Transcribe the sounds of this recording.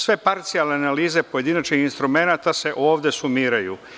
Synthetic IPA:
sʋe̞paɾt̪sialneanaliːze̞po̞je̞d̪inat͡ʃnixinst̪ɾume̞nat̪ase̞ʔo̞ːʋd̪e̞sumiːɾajṵ

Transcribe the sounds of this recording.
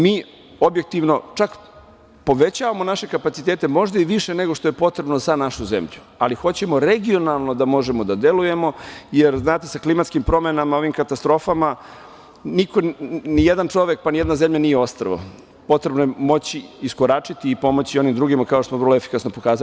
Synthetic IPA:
miː | o̞bje̞k̚t̪iʋno̞t͡ʂak | po̞ʋet͡ɕaːʋamo̞naʃe̞kapat̪sit̪eːt̪e̞mo̞ʒd̪aiʋiʃene̞ɡo̞ʂt̪o̞je̞po̞t̪ɾe̞bno̞zanaʃuzḛmʎu | alixo̞t͡ɕe̞mo̞ɾeɡio̞nalˠno̞d̪amo̞ʒemo̞d̪ad̪e̞luje̞mo̞jeɾznaːt̪esaklimat̪skimpɾo̞menamao̞ʋimkat̪ast̪ɾo̞fama | niko̞nijed̪ant͡ʂo̞ʋek̚panije̞d̪nazemʎanijeo̞st̪ɾəʋo̰ | po̞t̪ɾe̞bnojemo̞t͡ɕiiskoɾat͡ʂit̪iːpo̞mo̞t͡ɕio̞nimd̪ɾuːɡimakaoʃtosmoʋərlˠoefi̥kasnopo̞kaːza

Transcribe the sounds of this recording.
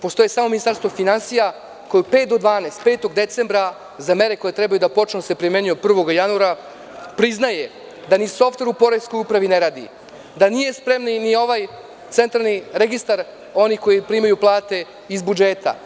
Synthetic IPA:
po̞st̪o̞jesamominist̪aɾst̪ʋofinansija | kojupe̞ːt̪d̪od̪ʋaːneːst̪̚peːt̪o̞ɡd̪e̞t̪se̞mbɾa | zame̞ɾe̞ko̞jet̪ɾebajud̪apo̞t͡ʂnose̞pɾime̞nujopr̩ʋo̞ɡjanuaɾa | pɾiznaje | d̪aniso̞ft̪e̞ɾupo̞ɾesko̞jupɾaʋine̞ɾaːd̪ḭ | d̪anije̞spɾemninio̞ʋaj | t̪se̞nt̪ɾalˠniɾeɡist̪aɾ | o̞niko̞jipɾimajuplˠaːt̪e̞ | izbud͡ʒeːt̪a̰

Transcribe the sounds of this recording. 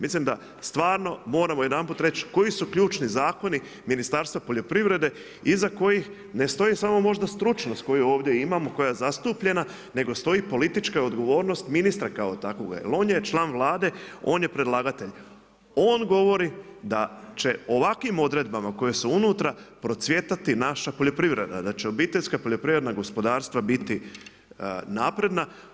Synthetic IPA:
mislimd̪a | st̪ʋaːɾno̞mo̞ːɾamo̞jed̪anpuːt̪ɾe̞t͡ʃko̞jisukʎuːt͡ʃnizaːko̞ni | minist̪aɾst̪ʋapo̞ʎo̞pɾiʋɾe̞d̪e̞ | izako̞jix | ne̞st̪o̞jisamo̞mo̞ʒd̪ast̪ɾut͡ʃnost̪ko̞juo̞ːʋd̪je̞imamo̞ko̞jajezast̪upʎe̞na | ne̞ɡo̞st̪o̞jipo̞lit̪it͡ʃkao̞d̪ɡo̞ʋo̞ːɾnost̪minist̪ɾakaot̪akoɡa̰jḛlˠo̞ːnjet͡ʃlˠaːnʋlˠaːd̪e̞o̞ːnje̞pɾe̞d̪lˠaːɡat̪e̞ʎ | o̞ːnɡo̞ʋo̞ɾid̪at͡ʃeo̞ʋakʋimo̞d̪ɾe̞d̪bamako̞je̞suunuːt̪ɾapɾo̞t̪sʋje̞t̪at̪inaʃapoʎʲopɾiʋɾe̞̰d̪a̰d̪at͡ɕeo̞bit̪eʎʲskapo̞ʎo̞pɾiʋɾed̪naɡo̞spo̞d̪aːɾst̪ʋabit̪i | naːpɾe̞d̪na

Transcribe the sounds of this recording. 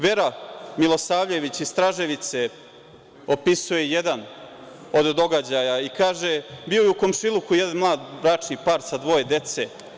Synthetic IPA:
ʋe̞ɾamilˠo̞saːʋʎe̞ʋit͡ɕist̪ɾaʒe̞ʋit̪se | o̞pisuje̞jed̪an | o̞d̪d̪o̞ɡad͡ʑajaikaːʒebiojeuko̞mʃilˠukujed̪anmlˠaːd̪bɾaːt͡ʂnipaːɾsad̪ʋo̞je̞d̪e̞t̪se̞

